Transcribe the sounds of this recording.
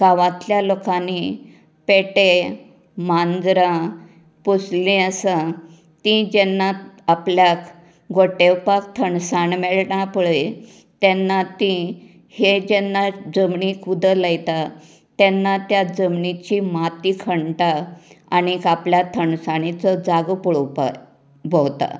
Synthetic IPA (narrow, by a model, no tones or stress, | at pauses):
kaʋãt̪ljalokãni | peʈe | mand͡zɾã | poslĩəsa | t̪ĩd͡ʑɛnːaapljak | ɡoʈewpak̚t̪ʰəɳsaɳmɛɭɳapəɭe | t̪ɛnːat̪ĩ | hed͡ʑɛnːad͡zəmɳikud̪ʱəlajt̪a | t̪ɛnːat̪jad͡zəmɳit͡ɕimat̪ikʰəɳʈaaɽ̃ikapljat̪ʰəɳsaɳ̃it͡sɔd͡zaɡpuɭpa̰ | bəwt̪a̰